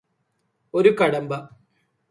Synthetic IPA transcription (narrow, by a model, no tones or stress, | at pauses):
o̞ɾukɐɽɐmbɐ